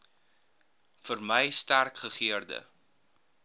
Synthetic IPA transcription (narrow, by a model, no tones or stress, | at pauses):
fərməjstærkχəχiərdə̰